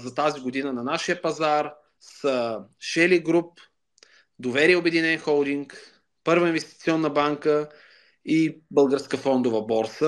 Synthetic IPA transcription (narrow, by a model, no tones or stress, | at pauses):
zɐt̪aziɡod̪inənɐnaʃiəpɐzaɾ | səʃɛliɡɾup̚ | d̪ovɛɾijɛobɛd̪inɛnxɔlˠd̪iŋk | pɤɾvəinvɛst̪i̥t̪siɔnːəbaŋkə | ibəlˠɡəɾskəfɔnd̪ʊvəbɔɾsə